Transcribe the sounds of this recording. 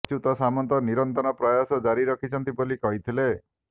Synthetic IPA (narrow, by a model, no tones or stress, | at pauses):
t͡ʃʰut̪ɔsamɔnt̪ɔniɾɔnt̪ɔnɔpɾɔjasɔd͡ʒaɾiɾɔkʰit͡ʃʰɔnt̪ibolikɔɦit̪ʰile